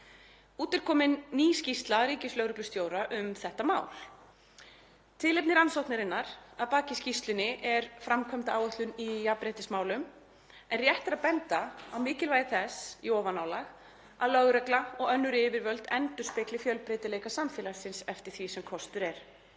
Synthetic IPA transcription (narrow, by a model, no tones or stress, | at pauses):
uːt̪ɪɾ̥kʰɔːmɪnːiːscist̪laɾiːcɪslœɣɾʏklʏst̪joːwɾaʔʏmθɛht̪ama̰ːwl | t̪ʰɪlejp̚nɪɾansowht̪naɾɪnːaɾ̥aðpaːcɪscist̪lʏnɪʔɛɾ̥fɾamkʰœmt̪aaːwœht̪lʏnijapɾejt̪ɪsmaːwlʏm | ɛnrjɛht̪aɾapɛnt̪aawmɪːcɪlvaːjðɪθɛsiɔːvanaːwlaɣ | aðlœɣɾœklaɔɣœnːʏɾɪvɪɾvœlt̪ɛnt̪ʏɾ̥spɪklɪfjœlpɾeːjt̪ɪleːjkasamfɪːlḁsɪnsɛft̪ɪɾ̥θvisɛmkʰɔst̪ʏɾɛɾ̥